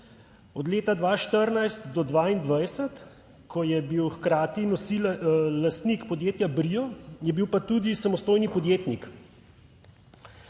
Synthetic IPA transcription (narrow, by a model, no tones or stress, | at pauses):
ɔd̪leːt̪ad̪ʋaːʃt̪əɾnajst̪d̪ɔd̪ʋaːind̪ʋajsɛt̪ | kʰɔjɛbiwxkɾaːt̪inɔsilast̪nikpɔd̪jeːt̪jabɾijɔjɛbiwpat̪ud̪isamɔst̪oːjnipɔd̪jeːt̪nik